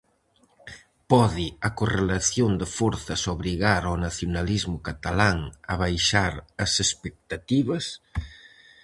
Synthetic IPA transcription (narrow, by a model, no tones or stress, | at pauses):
pɔðiɐkorelaθjond̪efɔɾθɐsoβɾiɣaɾonaθjonalizmʊkat̪alaŋɐ̰β̞ajʃaɾɐsespek̚t̪at̪iβɐs